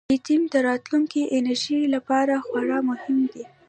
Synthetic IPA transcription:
it̪imd̪əɾɑt̪luŋkiʔɪnaɾʒilapɑɾaxwaɽɑmʊhɪmd̪i

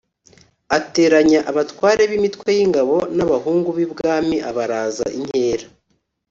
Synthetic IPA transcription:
ate̞ːɾaɲaʔaβatwaːɾe̞βimitwe̞jiŋɡaβo̞naβaɦuːŋɡuβibɡaːmiʔaβaɾaːza̰ʔiɲ̥he̞ːɾa

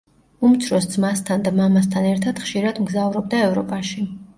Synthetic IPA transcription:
umt̪sʰɾɔsd̪zmast̪ʰand̪amamas̬t̪ʰanɛɾt̪ʰad̪̥χʃiɾad̪mɡzauvɾɔb̚d̪aɛvɾɔpʼaʃi

